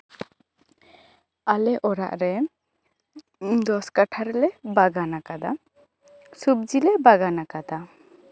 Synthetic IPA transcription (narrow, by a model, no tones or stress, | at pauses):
alɛʔɔɾa̰ʔɾɛ | d̪ɔskaʈʰaɾɛlɛbaɡanakad̪a | sub̚d͡ʒilɛbaɡanakad̪a